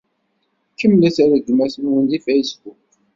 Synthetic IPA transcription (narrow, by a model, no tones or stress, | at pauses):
kːəmlæsæɾəɡːmæsənwənd̪ifæjsbuk̚